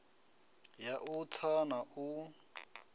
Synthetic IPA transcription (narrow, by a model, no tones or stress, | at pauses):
jaʔut͡sʰanaʔu